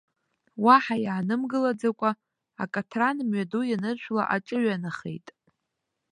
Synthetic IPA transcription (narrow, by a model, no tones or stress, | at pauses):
waħajaːnɨmɡɨlad͡zakʷʼa | a̰kʼatʰranmɥadujanɨrʃʷᶣla̰ʔaʈ͡ʂʼɨɥanaχḛjtʼ